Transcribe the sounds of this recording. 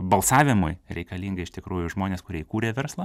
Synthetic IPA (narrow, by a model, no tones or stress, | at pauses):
bɐlˠsɑːʋʲɪmʊjɾʲɛɪkɐlʲiːŋɡɐɪʃt̪ʲɪkɾuːjʊʒmoːnʲeːskʊɾʲiɛɪkuːɾʲeːʋʲɛɾslˠɑ